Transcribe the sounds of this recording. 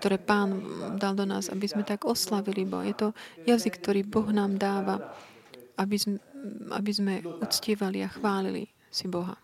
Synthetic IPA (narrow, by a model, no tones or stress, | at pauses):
k̚t̪ɔɾɛːpaːnd̪ald̪ɔna̰ːza̰bizmɛt̪aɡɔslaʋilibɔ̰ɦjɛt̪ɔjazikːt̪ɔɾiːbɔɣnaːmd̪aːʋa | abiza̰bizmɛut͡scɪɛʋaliaxʋaːlḭlḭ | sibɔɦa̰